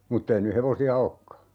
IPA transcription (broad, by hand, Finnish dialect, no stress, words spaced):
mutːei ny heʋosiɑ okːɑ